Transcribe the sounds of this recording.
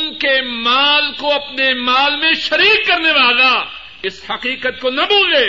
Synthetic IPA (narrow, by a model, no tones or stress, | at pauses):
nkemaːlkoɐpnemaːlmẽʃɐɾiːkːɐɾneʋaːla | ɪshɐqiːqət̪̚konɐbʊːlɡeː